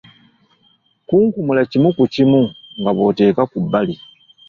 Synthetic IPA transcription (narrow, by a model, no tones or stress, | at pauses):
kuːŋkumulacimukucimuŋɡaβo̞ːte̞ːkakubːali